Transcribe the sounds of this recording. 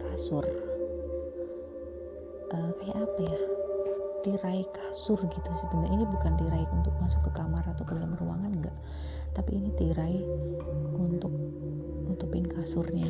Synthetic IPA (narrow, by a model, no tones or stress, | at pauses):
kasʊr | ʔəkajaʔapaja | t̪iɾaikasʊrɡit̪usəbənainibukant̪iɾaiunt̪ʊk̚masʊkːəkamarat̪awkədaampəɾua̰ŋanŋɡa̰ʔ | t̪apḭːnit̪iɾai | unt̪ʊk̚ | unt̪upɪnkasʊrɲa